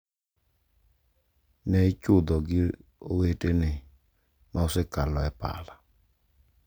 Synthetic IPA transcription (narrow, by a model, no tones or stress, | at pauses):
nɛɪt͡ʃʊd̪ɔɡɪowetenɪ | maɔsɪkalɔɛpa̰la